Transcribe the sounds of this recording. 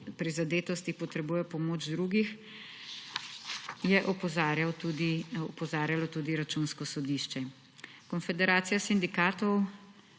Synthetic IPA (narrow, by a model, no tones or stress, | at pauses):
pɾizad̪eːt̪ɔst̪ipɔt̪ɾɛbuːjɛpɔmoːd͡ʒd̪ɾuːɡix | jɛʔɔpɔzaɾjawt̪ud̪iɔpɔzaːɾjalɔt̪uːd̪iɾat͡ʃuːnskɔsɔd̪iʃt͡ʃɛ | kɔnfɛd̪ɛɾaːt̪sijasind̪ikaːt̪ɔw